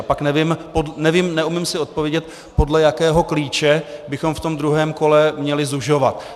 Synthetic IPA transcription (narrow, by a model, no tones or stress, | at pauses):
apaknɛvɪmpodnɛvimnɛumɪmsɪo̞t̪̚povjɛɟɛt̪ | po̞dlɛjakɛːɦo̞kliːt͡ʃɛbɪxo̞mft̪o̞md̪ɾuɦɛːmko̞lɛmɲɛlɪzuʒo̞va̰t̪